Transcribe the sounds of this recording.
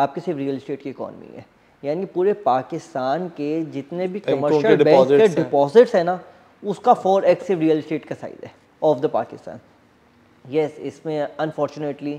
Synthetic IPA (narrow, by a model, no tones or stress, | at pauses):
aːp̚kesɪʋɾiːəlɪsʈeːʈkiɪkɔ̰ːnə̰mḭɦɛ̰ː | jaːnikipuːɾepaːkɪst̪aːnked͡ʒɪt̪nebʱikɐməɾʃəlbɛ̃eɖɪpɔːzɪʈsɦɛ̃na | ʊskafɔːɾɛksɪʋɾiəlɪsʈeːʈkɐsa̰ːḭd̪ɦɛ | ɔːfd̪əpa̰ːkɪst̪a̰ːn | jɛsɪsmẽɐ̃nfɔːɾt͡ʃʊneʈli